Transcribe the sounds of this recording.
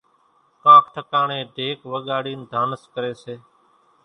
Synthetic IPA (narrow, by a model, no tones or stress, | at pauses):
kãːkʰʈʰəkaːɳẽːɖʱeːkʋəɠaːɽiːnd̪ʱaːnəskəɾeːseː